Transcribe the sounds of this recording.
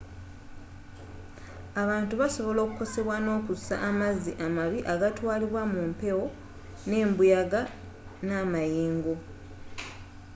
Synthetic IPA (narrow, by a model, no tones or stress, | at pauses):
aβaːntuβaso̞βo̞lokuko̞se̞βwano̞ːkusa̰ʔːmazːiʔamaβiʔaɡatwaːliβwamumpe̞wo̞ | ne̞ːmbujaɡa | naːmajiːŋɡo